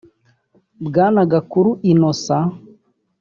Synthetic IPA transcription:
bɡaːnaɡakuɾuʔinosa

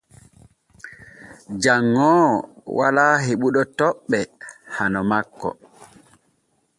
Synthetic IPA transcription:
d͡ʒaŋːɔːwa̰laːɦeɓuɗɔtɔɓːɛhanɔmakːɔ̰

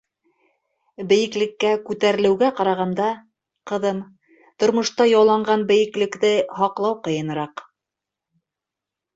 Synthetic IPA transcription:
bɘ̆jɘ̆klɘ̆kːækʉt̪æɾɘ̆lɘ̆wɡæqɑɾɑʁɑnd̪ɑ | qɤ̆ðɤm | t̪ŏɾmŏʃt̪ɑjɑlˠɑɴɢɑnbɘ̆jɘ̆klɘ̆kðɘɦɑqlˠɑwqɤ̆jɤ̆nɤ̆ɾɑq

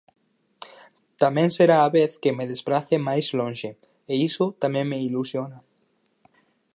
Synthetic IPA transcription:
t̪amẽnseɾaːβeθkemeðespɾaθemajzlõnʃe | eisot̪amẽŋmeilusjona

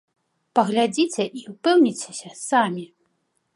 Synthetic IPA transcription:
pɐɣlʲad͡zʲit͡sʲɛʔiupɛwnʲit͡sʲe̥sʲɐsamʲi

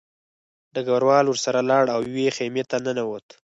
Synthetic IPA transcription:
d̪əɡawɾwɑlwəɾsaɾalɑɽawwexemet̪anənawot̪

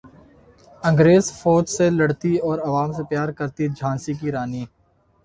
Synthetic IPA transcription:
ɐ̃ŋɡɾeːzfoːd͡ʒselɐɽt̪iɔːɾɐʋaːmsepjaːɾkɐɾt̪id͡ʒʱãːnsik̬iɾaːniː

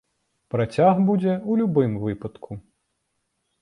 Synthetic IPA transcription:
pɾɐt͡sʲaɣbud͡zʲɛulʲubɪmʋɪpɐt̪kʰu

